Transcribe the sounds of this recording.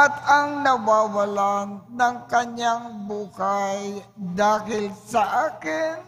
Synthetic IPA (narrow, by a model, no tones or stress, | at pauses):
ʔɐt̪ɐŋnɐwaːwɐlannɐŋkɐɲaŋbuːhajd̪aːɦɪlsɐʔaːkɪn